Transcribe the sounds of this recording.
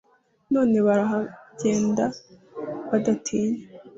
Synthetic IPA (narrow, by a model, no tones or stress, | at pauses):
no̞ːne̞βaɾaɦaɟ̥e̞ːnda | βadatʰiːne